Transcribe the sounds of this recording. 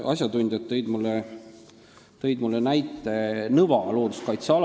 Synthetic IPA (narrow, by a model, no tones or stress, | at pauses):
ʔɑsʲjɑd̪unʲd̪̥ʲjɑt̪ːɤjd̪̥mulːe | t̪ɤ̞jd̪mulːenæjt̪ːˑe̞nɤvɑlo̞ːd̪u̥skɑjt̪seɑl